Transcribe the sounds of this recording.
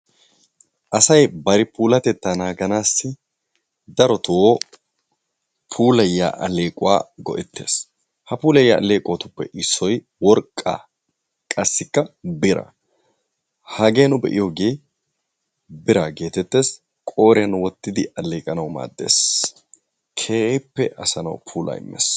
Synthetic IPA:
ʔɐsɐjbɐɾɪpuːlɐt̪ɛt̪ːanaːɡɐnaːsːɪ | d̪ɐɾɔt̪oː | pʰuːlɐjːa̰ːʔɐle̞ːkʼʊwa̰ːɡɔ̰ʔɛt̪ʰːe̞̰ːs | hɐpuːlɐjːaːʔɐle̞ːkʼoːt̪ʊpːɛ̰ʔɪsːɔj | wɔɾkʼːa̰ː | kʼɐsːɪkːɐbɪɾɐ̰ | hɐɡe̞ːnʊbɛ̰ʔɪ̰joɡe̞ː | bɪɾaːɡe̞ːt̪ɛt̪ːe̞ːs | kʼo̞ːɾɪɐnwɔt̪ːɪd̪ɪʔɐle̞ːkʼɐnɐwma̰ːd̪ːe̞̰ːs | kʰeːpːɛʔɐsɐnɐ̰wpʰuːlʔɐ̰ɪ̰mːɛ̰s

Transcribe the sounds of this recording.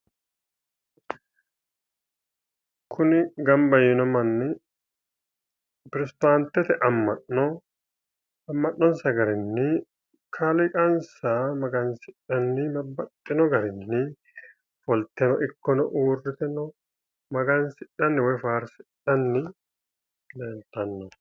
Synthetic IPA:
kʰʊnɪɡɐmbɐjɪnɔmɐnːɪ | pɪɾɛsɪd̪aːnt̪ːɛt̪ɛʔɐmːɐʔnɔ | ɐmːɐnːɔnsɐɡɐɾɪnːɪ | kʰɐlɪkʼɐnsamɐɡɐnsɪᶑɐnːɪbɐbːɐt̪ʼːɪnɔɡɐɾɪnːɪ | fɔlt̪ɛnɔʔɪkːɔnɔʔuːrːɪt̪ɛnɔ | mɐɡɐnsɪᶑɐnːɪwɛfaːɾsɪᶑɐnːɪ | leːlt̪ːɐnːɔ

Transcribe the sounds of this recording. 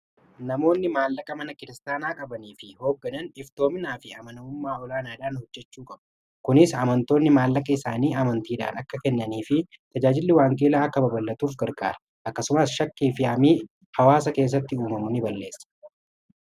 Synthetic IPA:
nɐmo̞ːnːɪmaːlːɐkʼɐmɐnɐkɪɾɪst̪aːnaːkʼɐbɐniːfɪho̞ːɡːɐnɐnɪft̪o̞ːmɪnaːfɪɐmɐnɐʊmːaːɔlaːnaːd̪aːnhɔd͡ʒːɛt͡ʃːuːkʼɐbɐ | kʊnɪsɐmɐnt̪o̞ːnːɪmaːlːɐkʼɐɪsaːniːɐmɐnt̪iːᶑɐ̰ʔɐnɐkːɐkɛnːɐniːfɪ | t̪ɐd͡ʒaːd͡ʒɪlːɪwaːŋkʼeːlaːɐkːɐbɐbɐlːɐt̪uːfɡɐɾɡa̰ːɾɐ | ʔɐkːɐsʊmɐsʃɐkːiːfɪaːmiː | hɐwaːsɐke̞ːs̬ːɐt̪ːɪuːmɐmʊnɪbɐlːe̞ːsːɐ̥

